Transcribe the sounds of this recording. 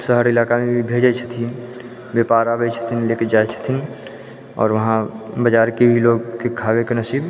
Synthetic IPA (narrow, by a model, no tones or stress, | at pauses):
səɦəɾɪlaːkamẽbʱibʱeːd͡ʒət͡ʃʰə̥t̪ʰi | beːpaːɾaːbət͡ʃʰə̥t̪ʰinlekəd͡ʒaːjt͡ʃʰə̥t̪ʰin | ɔ̰ːɾʋəɦãbəd͡ʒaːɾkebʱiloːɡkekʰaːwekenəsiːb